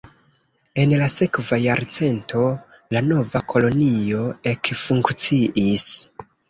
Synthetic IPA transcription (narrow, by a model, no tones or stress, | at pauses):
e̞nlase̞kvajaɾt͡se̞ntʰo̞ | lano̞vakʰo̞lo̞nio̞e̞kfuŋkt͡siʔis